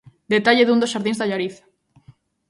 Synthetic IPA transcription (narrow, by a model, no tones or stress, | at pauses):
d̪et̪aʎeðund̪osʃaɾðĩnzðaʎaɾiθ